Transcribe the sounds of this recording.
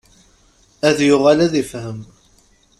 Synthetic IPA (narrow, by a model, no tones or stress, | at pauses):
æðjʊʁalæðifhəm